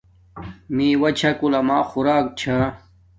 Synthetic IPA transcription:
mĩwɐt͡ɕʰakulɐmaːxuɾaːk̚t͡ɕʰa

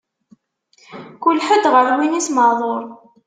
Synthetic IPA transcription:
kʊlħəd̪ʁəɾwinisməðˤoɾˤ

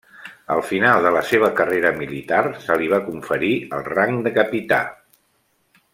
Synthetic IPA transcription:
ə̰lˠfinalˠd̪ələseβ̞əkəreɾəmilit̪arsəliβakuɱfəɾiəlˠraŋd̪əkəpit̪a̰

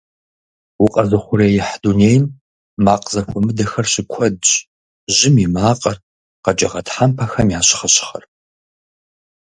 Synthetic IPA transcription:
wʊqʼɐzɨχʷʊɾejɪħduneːjmː | aːqzɐxʷɔmɨdɐxɐrɕɪkʷʰɔdɕ | ʒɪmimaːqʼɐr | qɐd͡ʒʼɐʁɐtʰħampʰɐxɐmjaːɕɪ̥χɐɕɪ̥χɐ̰r

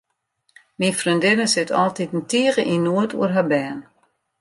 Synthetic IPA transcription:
minfrindɪnəsɪtʰɔ̰lˠtitn̩tiəɣəʔinuətʰṵərɦabɛːn

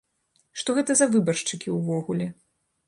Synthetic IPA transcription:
ʂt̪ɔɣɛt̪ɐzɐvɨbɐrʂt͡ʂɨkʲiwvɔɣulʲɛ

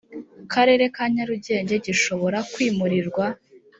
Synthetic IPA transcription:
kʰaɾe̞ɾe̞kaɲaɾuɟe̞ːɲɟe̞ɟiʃo̞βo̞ɾakwiːmuɾiɾɡwa

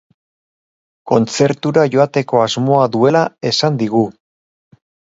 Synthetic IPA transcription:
ko̞nt͡se̞ɾt̪uɾaʝo̞at̪e̞ko̞azmo̞aðue̞lae̞sand̪iɣ̞u

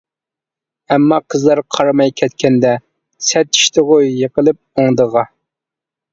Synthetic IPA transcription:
ɛmːɑqʰəzlˠɑɾqʰɑɾmɑjkʲʰɛt̪kʲɛnd̪ɛ | sɛt̪i̥ʃt̪ʰɨʁojjəqəlˠɨp̚oŋd̪əʁɑ

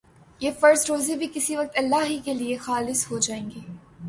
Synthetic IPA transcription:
jeːfɐɾzɾoːzebʱikɪsiʋɐk̚t̪ɐlːaːɦikeliexaːlɪshod͡ʒaːẽːŋɡiː

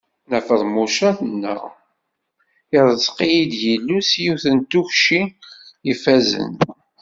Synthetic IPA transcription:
næfəðˤmuʃæθənːə̰ | ɪɾˤəz̥qijid̪jəlːusjuθənt̪ːuçʃiifæzə̰n

